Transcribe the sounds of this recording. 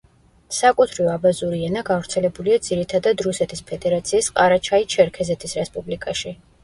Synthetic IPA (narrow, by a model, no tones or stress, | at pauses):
sakʼut̪ʰɾiɔabazuɾiɛnaɡavɾt̪sʰɛlɛbuliad̪z̥iɾit̪ʰad̪ad̪ɾusɛt̪ʰispʰɛd̪ɛɾat̪sʰiːsqʼaɾat͡ʃʰait͡ʃʰɛɾkʰɛzɛt̪ʰisɾɛspʼublikʼaʃi